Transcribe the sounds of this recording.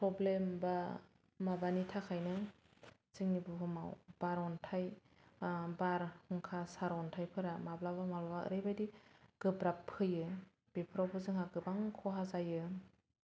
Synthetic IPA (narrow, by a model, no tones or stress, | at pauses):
pʰɾɔblemba | mabanitʰakʰajnɯ | zɯŋnibɯɦɯmawb̥aɾɔntʰaj | baɾhɔŋkʰasaɾɔntʰajpʰɯɾamablabamalbaɯ̰ɾɯjbajdiɡ̥ɯbɾapʰːɯjɯ | b̥epʰɯɾɔwpʰɯzɯŋɦaɡɯbaŋkʰɔɦazajɯ